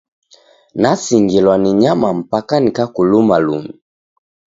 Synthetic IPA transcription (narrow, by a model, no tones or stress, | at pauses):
nasiŋɡilwaniɲamam̩pakanikakulumalṵmi